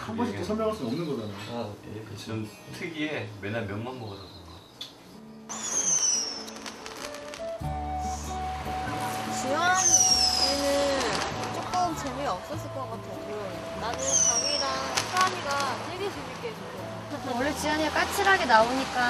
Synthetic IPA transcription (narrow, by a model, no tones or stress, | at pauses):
hambʌɕʰiosʰʌɭmjʌŋɦaɭs͈uʌmnɯnɡʌd͡ʑaɲojekɯt͡ɕiɯm | sʰeɡiemenamjʌnmanbʌɡadaɡoa | t͡ɕianenɯnt͡ɕ͈ok͈ʌnt͡ɕemueʌp̚s͈ʌs͈ɯɭk͈ʌk͈atʰe | o | nanɯnt͡ɕaŋiɾaŋapʰaɲiɡasʰeɡed͡ʑunik͈ed͡ʑoo | wʌɭːet͡ɕiwaɲiak͈at͡ɕʰiɾɦaɡe̞naoɲik͈a